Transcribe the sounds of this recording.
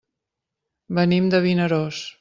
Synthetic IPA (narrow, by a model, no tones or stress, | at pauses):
bənimd̪əβinəɾos